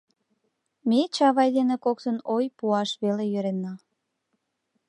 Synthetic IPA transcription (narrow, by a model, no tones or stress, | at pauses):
met͡ɕɑβɑjd̪enekokt̪ənojpuɑʃβelejøɾenːɑ